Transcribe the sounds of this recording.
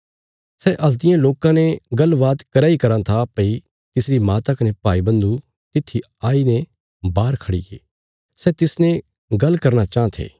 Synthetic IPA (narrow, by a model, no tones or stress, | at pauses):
sɛʔɐld̪ɪjãloːkãneɡɐlʋaːd̪kɐɾaːikɐɾãt̪ʰapɐi | t̪ɪsɾimaːt̪ɐknepaːibɐ̃nd̪u | t̪ɪt̪ʰːi | aːine | baːɾkʰɐɽḭkḛː | sɛːt̪ɪsne | ɡɐlkɐɾnat͡ʃãːt̪ʰḛː